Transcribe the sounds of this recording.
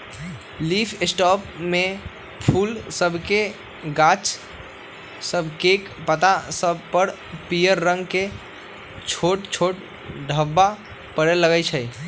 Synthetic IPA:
lipʰɪsʈɔpme | pʰulsəbʱke | ɡat͡ʃ | səbʱkek | pət̪asəbʱpəɾ | pijəɾːə̃ŋɡke | t͡ʃʰoʈt͡ʃʰoʈ | ɖʱəbːa | pəɽeləɡət͡ʃʰə

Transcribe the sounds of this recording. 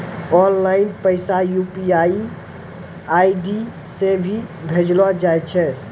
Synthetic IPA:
ɔnlaɪnpəɪsajupiai | aiɖi | sebʱibʱed͡ʒlɔd͡ʒajt͡ʃʰɛ

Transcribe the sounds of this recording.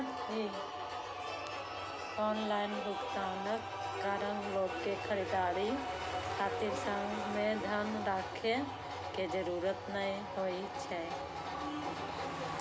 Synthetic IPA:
ɦi | ɔnlaɪnbukt̪anəkː | aɾənloːɡkekʰəɾid̪aɽi | kʰat̪iɾsə̃ŋɡmed̪ʱənɾakʰe | ked͡ʒəɾuɾət̪nə̃ɦoi | t͡ʃʰɛ

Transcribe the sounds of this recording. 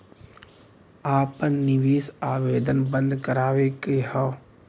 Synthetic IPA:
aːpənːɪʋeːsaːʋeːd̪ənbə̃nd̪kəɾaːʋekeɦɔː

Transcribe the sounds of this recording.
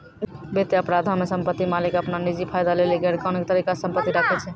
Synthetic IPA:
bet̪eəpɾad̪ʱamesəmpət̪ːimalikəpnanid͡ʒipʰajd̪aleliɡeɽkanket̪əɾikasəmpət̪ːiɾakʰɛt͡ʃʰɛ

